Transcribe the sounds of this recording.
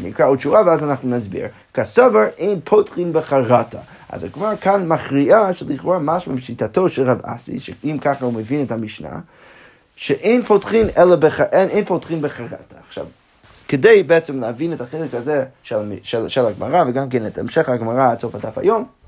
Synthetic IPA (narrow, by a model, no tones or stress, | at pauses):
mikɹaodʃuvavəazanaχnunazbḭɹ | kʰasɔvəɹʔeɪnpʰotχĩnbəχaʁatʰa̰ | ʔa̰za̰ɡmakʰanmaχʁiaʃɛlˠiχʁamaʃmabʃitʰatʰoʃɛlˠʁava̰sḭʃɛimkʰaχahuməvinɛthamiʃna̰ | ʃɛʔẽɪnpʰotχinɛlˠəbəaʔɛnẽɪnpotχinbəχaʁa̰tʰaːχʃa̰v | kədejbɛɛt͡sɛmləavinɛthaχejlˠəkhazɛʃɛlʃɛlʃɛlˠaɡma̰ʁavəɡamkɛnɛtɛ̰mʃɛχhaɡmaʁasofadafa̰jom